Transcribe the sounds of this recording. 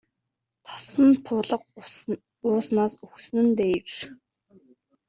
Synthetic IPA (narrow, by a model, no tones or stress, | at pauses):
t̪ʰɔ̥sɞ̆nt̪ʰʊːɮə̆q̚ | ʊːsnaːsuxsnɘ̆nt̪eːwr